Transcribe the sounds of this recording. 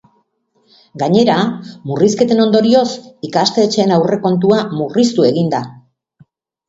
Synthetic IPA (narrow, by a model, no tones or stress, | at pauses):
ɡaɲe̞ɾamuriske̞t̪e̞no̞nd̪o̞ɾio̞sikast̪e̞ːt͡ʃe̞ːnawre̞ko̞nt̪uamurist̪ue̞ɣind̪a